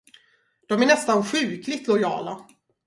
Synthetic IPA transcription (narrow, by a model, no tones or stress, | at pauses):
d̪̥ɔmæɳɛst̪anɧʉ̟ːklɪt̪lɔjɑ̰ːla